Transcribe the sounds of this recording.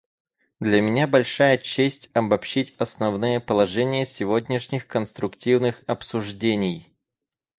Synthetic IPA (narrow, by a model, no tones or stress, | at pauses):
d̪lʲəmʲɪnʲabɐlʲʂajət͡ɕesʲtʲɐbɐpɕːitʲɐsnɐvnɨjəpəlˠɐʐɛnʲɪjəsʲɪvodʲnʲɪʂnʲɪxkənst̪ɾʊktʲivnɨxɐpsʊʐdʲenʲɪj